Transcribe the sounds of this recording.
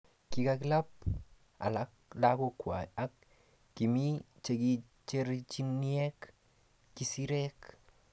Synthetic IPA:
ki˧kakla˦p̚ | a̰˨laklako˦kwa˨ja˦kː | i˨mi˦t͡ʃe˧ɡi˦ | t͡ʃe˦ɾt͡ʃi˦nie˦kː | i˦si˦ɾe˦k

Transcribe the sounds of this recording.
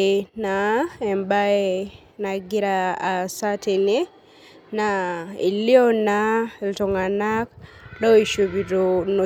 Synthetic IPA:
na˨ɛ˨mba˦e | na˨ɡi˦ɾaː˨sa˦tʰe˨ne˦ | na˨i˨li˦ɔ˦na˦e˨ltɔ˨ŋa˨na˦klɔ˦i˨ʃu˨βi˨ɾo˨no˨

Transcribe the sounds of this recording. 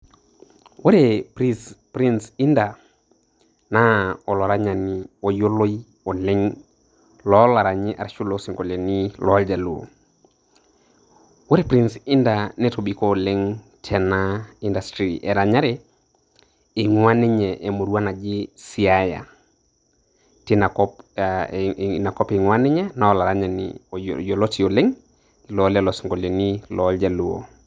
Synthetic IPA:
wo˦ɾe˨pɾispɾi˦nsi˦nda˨ | na˦ɔ˨lɔ˨ɾa˦ɲa˨ni˦o˨jo˦lo˦i˦ | o˨lɛ˦ŋ | lɔ˦la˨ɾa˨ɲɪ˦ʔa̰˨ɾʃu˦lo˨si˨ŋɡo˨le˨ni˦lɔ˨˦ld͡ʒa˨lṵ˨ | wo˦ɾe˦˨pɾi˦nsi˦nda˨nɛ˦to˨bi˨kɔ˦˨le˦ŋ | tʰɛnaindastɾiʔɛ˨ɾaɲa˦ɾe | ŋwa˦ni˦ɲɛʔe˨mo˨ɾu˦a˦na˨d͡ʒisi˨aja̰˨ | tinakɔp | na˨kɔpeŋwa˦ni˦ɲɛ˦naola˨ɾaɲanḭjolotijole˦ŋ | lɔlalosi˨ŋɡo˨lenilɔld͡ʒaluo̰

